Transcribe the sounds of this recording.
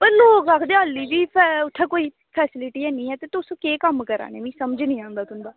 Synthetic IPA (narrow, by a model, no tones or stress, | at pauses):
pəɾloːkakʰd̪eaːlːiːd͡ʒiːpʰɛʊʈ̪ʰːaːkoːiː | pʰɛːsɪlɪʈiːɛːnĩːɛːt̪eːt̪ʊsõːkeːkəmkəɾa̰ːnḛːmĩːsəməd͡ʒnĩːãːnd̪aːt̪ʊnd̪aː